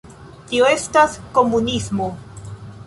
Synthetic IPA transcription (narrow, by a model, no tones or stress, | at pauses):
t̪ioestaskomunismo